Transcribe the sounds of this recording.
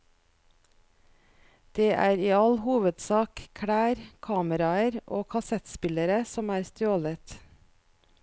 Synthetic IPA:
d̪̥eːʔæ̰ːɾiːɑlhuːʋəd̪sɑːkkʰɽæːɾkʰɑːməɾɑəɾʔo̰ːkʰɑsɛt̪spɪləɾəsɔmæːɾst̪ɾoːlət̪

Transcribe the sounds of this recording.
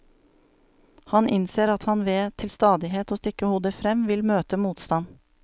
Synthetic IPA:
hɑnʔɪnseːɾɑt̪hɑnʋeːt̪ʰɪlst̪ɑːd̪ɪheːt̪oːst̪ɪkəhuːd̪əfɾɛmʋɪlmøːt̪əmuːt̪st̪ɑn

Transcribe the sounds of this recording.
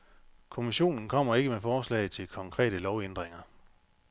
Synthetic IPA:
kʰo̝miɕo̝̰ːnn̩kʰɒ̽m̰ɐe̝ɡ̥əmefɒːslɛ̰ːɪt͡sʰe̝lkʰɒ̽ŋkʰʁɛ̰ːɾəlɒʊend̥ʁeŋɐ

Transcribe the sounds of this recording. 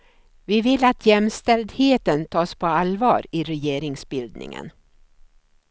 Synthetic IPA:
vɪvɪlːat̪ʰjɛmst̪ɛld̪heːt̪ənt̪ʰɑːspʰɔalvɑ̰ːɾɪɾɛjeːɾɪŋsbɪld̪nɪ̰ŋə̰n

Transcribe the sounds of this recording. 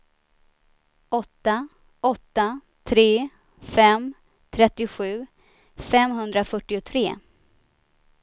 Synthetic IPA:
ʔɔt̪ːa | ɔt̪ːa | t̪ʰɾeː | fɛm | t̪ʰɾɛt̪ːɪɧʉ̟ː | fɛmɦɵnd̪ɾafœʈːɪʊt̪ʰɾeː

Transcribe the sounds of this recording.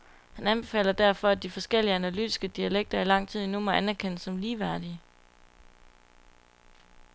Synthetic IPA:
hænænb̥e̝fɛ̰ːlɐd̥æɐ̰fɒ̽æd̥ifɒ̽sɡ̥el̰iəænælyd̥i̥sɡ̥əd̥iæleɡ̥̚d̥ɐilɑ̈ŋ̰t͡sʰið̞̰ˠenumɒʔænæɐkʰen̰sɒ̽mliːʋæɐ̰d̥iə

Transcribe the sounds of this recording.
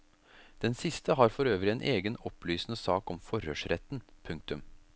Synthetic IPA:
d̪̥ɛnsɪst̪əɦɑːɾfɔɾøːʋəɾɪeːnʔeːɡənɔplyːsənəsɑːkɔmfɔɾhø̰ːʂɾɛt̪npʰʉŋk̚t̪ʉm

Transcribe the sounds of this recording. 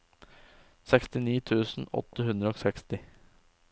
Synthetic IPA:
sɛkst̪ɪniːt̪ʰʉːsn̩ɔ̰t̪ːəhʉnd̪ɾəoːsɛkst̪ɪ

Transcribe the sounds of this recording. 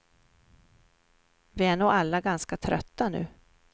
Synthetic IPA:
vɪæɳuːalːaɡanskat̪ʰɾœ̰t̪ːanʉ̟̰ː

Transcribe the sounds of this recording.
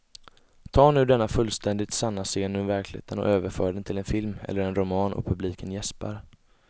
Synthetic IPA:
t̪ʰɑːɳʉ̟ːd̪ɛnːafɵlːst̪ʰɛnd̪ɪt̪sanːaseːnɵvæɾklɪhḛːt̪ənɔ̰ʔøːvəɾfœːɖɛnt̪ʰɪlɛnfɪlmɛ̰lːəɾɛnɾʊmɑːnɔ̰pʰɵbliːkənjɛspa̰ɾ

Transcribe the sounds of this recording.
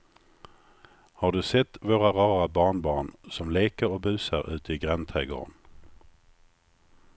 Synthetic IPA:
haɖɵsɛt̪ːvoːɾaɾɑːɾabɑːɳbɑːɳsɔmleːkəɾɔbʉ̟ːsaɾʉ̟ːt̪əɪɡɾant̪ʰʁɛːɡo̰ːɾn

